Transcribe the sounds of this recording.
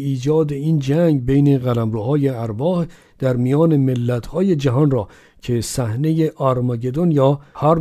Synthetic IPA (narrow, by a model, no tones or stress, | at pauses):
iːd͡ʒɒːd̪e̞iːnd͡ʒæŋɡbejne̞ɣælæmɾuːhɒːjeæɾbɒːh | d̪̥æɾmijɒːne̞melːæt̪ʰhɒːje̞d͡ʒæɦɒnrɒː | cʰe̞sæhne̞jeʔɒɾmɑɟe̞d̪onjɒːhæɾ